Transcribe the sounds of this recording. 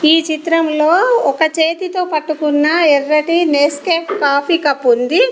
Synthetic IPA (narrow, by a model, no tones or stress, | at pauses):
iːt͡ʃit̪ɾɐmlo̞ːɔkɐt͡ʃeːt̪it̪o̞ːpɐʈːukunːɐɛrːɐʈineːskeːpkaːpʰiːkɐpːund̪i